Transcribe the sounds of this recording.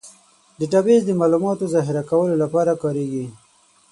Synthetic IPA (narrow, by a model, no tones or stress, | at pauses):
d̪əʈabezd̪əmɑlumɑt̪ozɑɦɪɾakawəlolapɑɾakɑɾeɡi